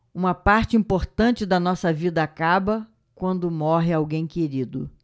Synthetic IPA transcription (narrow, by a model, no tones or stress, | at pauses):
ũmɐpaɾt͡ʃɪĩpoɾt̪ɐ̃t͡ʃɪd̪ɐnɔsɐvid̪ɐakabɐ | kwɐ̃nd̪ʊmɔɦɪawɡẽj̃keɾid̪ʊ